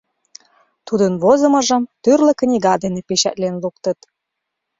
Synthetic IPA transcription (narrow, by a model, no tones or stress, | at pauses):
t̪ud̪ənβozəmɤ̆ʒəmt̪yrlə̆knʲiɣɑd̪enepeɕæ̰t̪lenlukt̪ət̪